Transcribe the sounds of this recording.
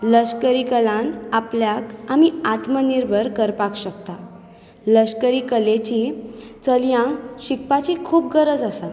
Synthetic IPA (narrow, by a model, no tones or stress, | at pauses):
ləɕkəɾikəlãnapljakamiat̪məniɾbʱəɾkəɾpakɕək̚t̪a | ləskəɾiːkəlet͡ɕiːt͡səljãɕik̚pat͡ɕikʰuːp̚ɡəɾəd͡zəsat̪